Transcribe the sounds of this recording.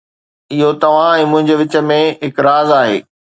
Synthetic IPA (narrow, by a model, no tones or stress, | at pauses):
ɪɦot̪ɐʋ̤ãɛ̃ːmʊ̃ɦɪ̃ɲd͡ʑeʋɪt͡ɕəmẽɦɪkɾaːzaːɦḛː